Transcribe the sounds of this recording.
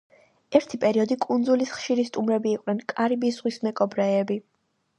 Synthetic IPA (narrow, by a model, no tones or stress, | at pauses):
ɛɾt̪ʰipʼɛɾiɔd̪ikʼund̪zulisχʃiɾist̪ʼumɾɛbiːqʼnɛnkʼaɾibizʁwismɛkʼɔbɾɛɛbi